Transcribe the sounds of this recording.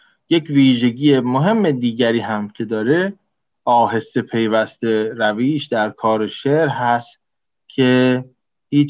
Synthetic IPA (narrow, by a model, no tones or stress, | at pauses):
jecviːʒe̞ɟiːemoɦe̞mːed̪iːɟæɾiːɦæmcʰe̞d̪ɒːɾe̞ | ɒːɦe̞sepʰe̞jvæst̪e̞ɾæviːʃd̪æɾkʰɒːɾeʃeʔɾɦæst̪ | cʰe̞ | hiː